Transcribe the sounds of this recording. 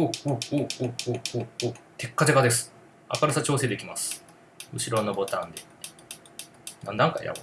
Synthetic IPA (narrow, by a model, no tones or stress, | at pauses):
ooooːoːoːoːt̪e̞kːad͡ʑeɡad̪e̞sɨ̥ | a̰kaɾasat͡ɕo̞ːse̞ːd̪e̞kʲimasɨ̥ | ɯ̟ɕiɾo̞nobo̞t̪ãnd̪e̞ | nãnd̪ãŋka̰ja̰b